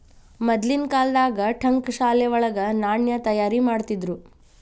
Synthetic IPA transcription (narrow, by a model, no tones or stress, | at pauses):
mɐd̪linkaːld̪aːɡɐʈʰɐŋkʃaːljɐʋɔɭɐɡɐnaːɳjɐt̪ɐjaːɾimaːɽt̪id̪ɾu